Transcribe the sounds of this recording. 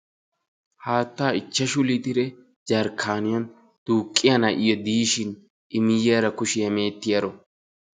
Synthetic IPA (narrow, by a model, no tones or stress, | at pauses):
haːt̪ːaːɪt͡ʃːɐʃʊlit̪ɪɾɛ | d͡ʒɐɾkʰːaːnɪjɐn | d̪̥uːkʼːɪjɐnɐʔɪjɔd̪iːʃɪn | ʔɪmɪjaːɾɐkʊʃɪjɐme̞ːt̪ːɪjɐɾɔ